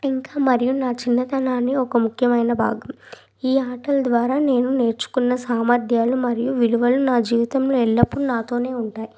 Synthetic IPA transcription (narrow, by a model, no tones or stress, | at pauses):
iŋkaːmɐɾijunaːt͡ʃinːɐt̪ɐnaːnːiɔkɐmukʰjɐmɐjnɐbʱa̰ːɡɐm | iːaːʈɐlɐd̪ʋaːɾaːne̞ːnune̞ːɾt͡ʃu̥kunːɐsaːmɐɾd̪ʱjaːlumɐɾijuʋiluʋɐlunaːd͡ʒiːʋit̪ɐmloːɛɭːɐpːuɽunaːt̪o̞ːne̞ːuɳʈaːji